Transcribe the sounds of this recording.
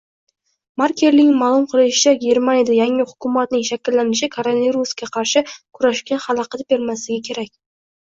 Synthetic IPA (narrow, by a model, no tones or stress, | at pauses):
maɾkʲʰe̞ɾlɪŋʲmaːlˠʊmqʰɨlˠɪʃɪ̥t͡ʃʰaɡʲe̞ɾmanijad̪ajaŋɪhʊkʲʊmat̪̚nɪŋʃakʲɪlːanɪʃɪkʰoɾonaviɾuskʲaqʰɑɾʃɪkʰʊɾaʃkʲanhɑlˠɑqʰɑt̪be̞ɾmaslɪɡʲɪkʲʰe̞ɾakʲ